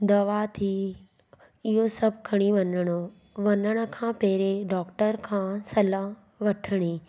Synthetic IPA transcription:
d̪ɐʋat̪ʰi | ɪɦosɐb̚ʱkʰɐɽ̃iʋɐnəɽ̃o | ʋɐnəɽ̃ə̆kʰãːpɛːɪɾeɖɔːkʈəɾkʰãːsɐla | ʋɐʈʰəɽ̃i

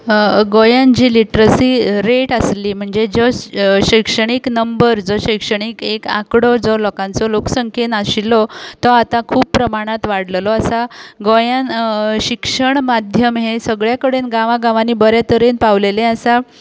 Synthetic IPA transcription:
ɡojãnd͡ʑiːliʈɾəsiɾeʈəsliːm̤əɳd͡zed͡zɔɕəjkʂəɽ̃iknəmbəɾd͡zɔɕəjkʂəɽ̃ikekã̰kɽɔd͡zɔlɔkãnt͡sɔloksəŋkʰenaɕilɔt̪ɔat̪ãkʰuːppːɾəmaɽ̃at̪ʋaɽllɔasaɡojãnɕikʂəɳmad̪ʱjəmɦesəɡɭjakəɽenɡãʋaɡãʋaniːbəɾjat̪əɾenpaʋlelẽasa

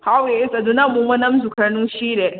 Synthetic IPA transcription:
hawesɐdunamumɐnɐmzukʰɐnuʃile

